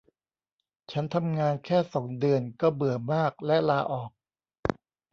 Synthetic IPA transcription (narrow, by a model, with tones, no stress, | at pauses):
t͡ɕʰa˦˥nt̪ʰa˧mŋaː˧nkʰɛː˥˩sɔ˩˦ŋdɯ˧ənkɔ˥˩bɯ˨˩əmaː˥˩k̚lɛ˦˥ʔlaː˧ʔɔː˨˩k̚